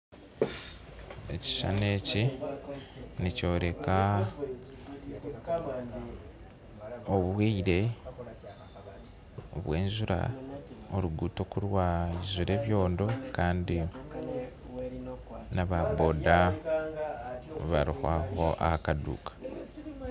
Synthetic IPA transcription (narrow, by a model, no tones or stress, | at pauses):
e̞ci̥ʃa̰ne̞ːci | nico̞ːɾe̞ka | oβweiɾe̞ | oβwe̞̰ːnzuɾa̰oɾuɡuːto̞kuɾwaizuɾe̞ːβjo̞ːndo̞kaːndi | naβabo̞ːda | βa̰ɾihwaho̞ʔa̰hakadṵːkḁ